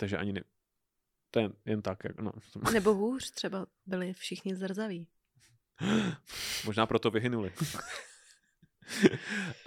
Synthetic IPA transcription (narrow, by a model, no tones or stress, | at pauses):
t̪aɡʒɛʔa̰ɲɪnɛ | t̪ojɛjɛnt̪akja̰kno̰smnɛboɦuːr̥t̪r̥ɛba | bɪlɪfʃɪxɲɪzr̩zaviː | moʒnaːpɾot̪ovɪɦɪnulɪ